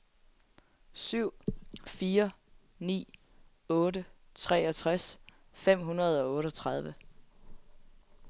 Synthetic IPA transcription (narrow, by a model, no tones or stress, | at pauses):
syʊ̰fiːɐ | nḭː | ɔ̽ːɾət͡sʰʁɛ̰ːɒt͡sʰʁasfem̰ɦunɐð̞ˠɒ̽ɔ̽ːɾɒt͡sʰʁɑ̈ð̞ˠʋə